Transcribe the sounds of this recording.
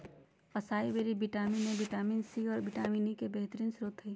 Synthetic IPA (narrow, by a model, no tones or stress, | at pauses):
əsaːibeːɾibiʈaːminebiʈaːminsiɔːɾbɪʈaːminikebeɦt̪əɾiːnsɾoːt̪ɦiː